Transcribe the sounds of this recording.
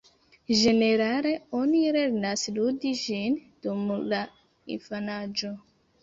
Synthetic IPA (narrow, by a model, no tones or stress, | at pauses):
ʒe̞ne̞ɾale̞o̞niɾe̞ɾnasludid͡ʒind̥umla | ḭnfanad͡ʒo̞